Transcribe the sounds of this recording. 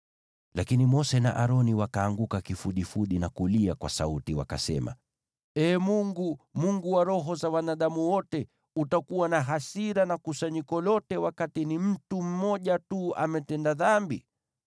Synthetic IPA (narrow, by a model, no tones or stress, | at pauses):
lakinimɔsɛna̰ʔaɾɔniwakaːŋɡukakifuɗifuɗinakuliakwa̰sautiwa̰kasɛma̰ | ɛːmuŋɡumuŋɡuwaɾɔɦɔzawanaɗamuwɔtɛ | utakuwanaɦasiɾanakusaɲikɔlɔtɛwakatinim̩tum̩mɔʄatua̰mɛtɛndaðambi